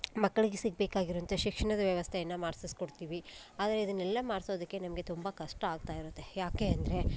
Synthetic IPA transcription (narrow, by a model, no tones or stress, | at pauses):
mɐɡːɐɭiɡesiɡ̚beːkaːɡiɾoɐnt̪ʰɐʃikʂɐɳɐd̪ɐʋjɐʋɐst̪ʰejɐnːɐmaːɾsisi̥koɽt̪iːʋiaːd̪ɐɾe̞id̪ɐnːɛlːɐmaːɽso̞ːd̪ɐkːe̞nɐmɐɡe̞t̪umbɐkɐʂʈɐaːɡ̚t̪aːjiɾut̪ːe̞jaːke̞ɐnd̪ɐɾe̞